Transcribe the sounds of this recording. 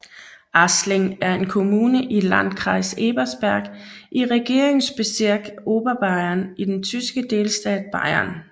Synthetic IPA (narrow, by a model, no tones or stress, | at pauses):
ʔɑsleŋæɐe̝nkʰo̝muːnəʔilæn̰d̥kʰʁɑ̈ɪseːb̥ɐsb̥æɐ̰ɡ̥ʔiʁɛɡ̥e̝ɐ̰eŋsb̥e̝seɐ̰ɡ̥o̝ːb̥ɐb̥ɑ̈ɪɐnid̥ent͡sʰysɡ̥əd̥e̝ːlsd̥ɛ̰ːd̥̚b̥ɑ̈ɪɐn